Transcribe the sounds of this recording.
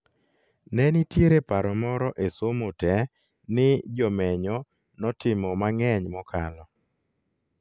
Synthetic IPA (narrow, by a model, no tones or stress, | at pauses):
nɛnitjeɾepaɾɔmɔɾɔʔesomotɛ | nɪd͡ʒɔmɛɲɔ | nɔtɪmɔmaŋɛɲmɔkʰalɔ